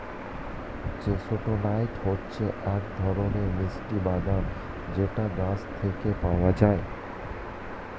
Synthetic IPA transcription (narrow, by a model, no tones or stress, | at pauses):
d͡ʑeʃoʈonajʈhotːɕʰeʔɛk̚d̪ʱɔɾoneɾmisʈibad̪an | d͡ʑeʈaɡast̪ʰekepaoad͡ʑae